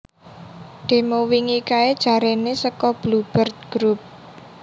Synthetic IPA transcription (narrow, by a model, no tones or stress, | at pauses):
ɖ̪̥e̤mowiŋikaed̥ʒ̥ä̤ɾenesəkɔb̥lub̥ərt̪̚ɡ̥ɾup̚